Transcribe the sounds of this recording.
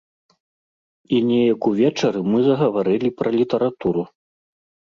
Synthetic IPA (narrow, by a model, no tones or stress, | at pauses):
inʲɛjɐkuvʲɛt͡ʂɐɾɨmɨzɐɣɐvaɾɨlʲipɾɐlʲit̪ɐɾat̪uɾu